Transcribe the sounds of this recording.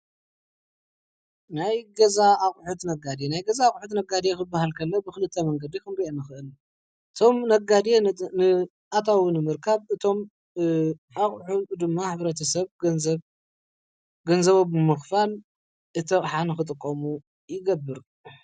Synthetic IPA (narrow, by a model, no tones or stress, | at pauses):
najɡɐzaːχʼħut̪nɐɡad̪enajɡɐzaːχʼħut̪nɐɡad̪ekɨbːahalkʰɐnːɐbɨxɨlɨt̪ʰːɐmɐŋɡɐd̪ikɨmɾienɨxɨʔɨl | ɨt̪ʰo̞mnɐɡad̪enɨ | ʔat̪ʰawunɨmɨɾkʰaβɨt̪ʰo̞m | aχʼħud̪ɨmːaħɨβɾɐt̪ʰɐsɐβz | ɡɐnzɐβobɨmɨxfal | ʔɨt̪ʰɐχʼħanɨxɨt̪ʼɨkʼːɐmu | jɪɡɐbːɨɾ